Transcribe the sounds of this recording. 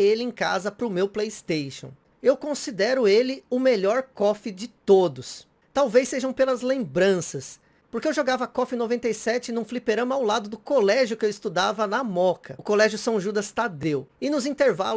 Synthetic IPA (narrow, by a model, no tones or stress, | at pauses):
elɪẽka̰zɐpɾʊmewplejst̪ejʃõ̰ | ewkõsid̪ɛɾʊelɪʊmeʎɔɾkɔfɪd͡ʒɪt̪od̪ʊs | t̪awvejsːeʒɐ̃w̃pelɐzlẽmbɾɐ̃sɐs | poɾkeewʒoɡavɐkɔfɪnovẽnt̪ejsɛt͡ʃɪnũflipeɾɐ̃mɐawlad̪ʊd̪ʊkolɛʒjʊkɪewist̪ud̪avɐnɐmɔkɐʊkolɛʒjʊsɐ̃w̃ʒud̪ɐst̪ad̪ewɪnʊzĩnt̪eɾva̰l